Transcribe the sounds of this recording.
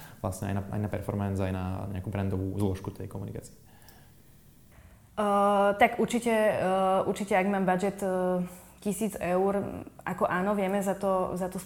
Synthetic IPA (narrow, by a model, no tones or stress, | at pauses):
ʋlasɲɛa̰jnaa̰jnapɛ̰ɾfɔɾmɛnzajna̰ɲɛ̰akuːbɾɛnd̪ɔʋuːzlɔʃkut̪ɛjkɔmunika̰t͡siɛ | t̪aɡuɾt͡ʃicɛuɾt͡ʃicɛaɡmaːmbad͡ʒɛt̪ː | cisiːd͡zɛʊɾʔakɔʔaːnɔʋɪɛmɛzat̪ɔzat̪ɔs